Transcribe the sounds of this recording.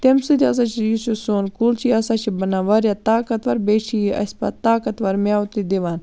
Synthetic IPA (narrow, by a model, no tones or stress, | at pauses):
t̪emsɨd̪ʲiɐs̬aːt͡ʃʰijusosoːnkult͡ʃʰiɐsaːt͡ʃʰibɐnaːʋɐɾjaːt̪aːkɐt̪ʋɐɾbet͡ʃʰiʔɐ̰sʲpa̰t̪aːkɐt̪ʋɐɾmjaːwt̪id̪eʋaːn